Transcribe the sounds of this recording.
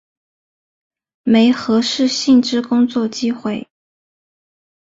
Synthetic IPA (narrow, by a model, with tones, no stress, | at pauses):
me˧˥ɪxɤ˧˥ʂɻ̩˥˧ɕi˥˩ŋʈ͡ʂɻ̩˥kʊ˥ŋt͡swɔ˥˩t͡ɕi˥xwe˥˩ɪ